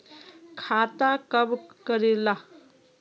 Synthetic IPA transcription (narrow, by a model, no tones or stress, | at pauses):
kʰat̪akəbkəɾela